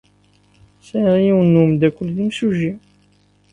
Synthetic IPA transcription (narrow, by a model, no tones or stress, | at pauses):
sæɾiwənumd̪ækʷːʊlðimsuʒi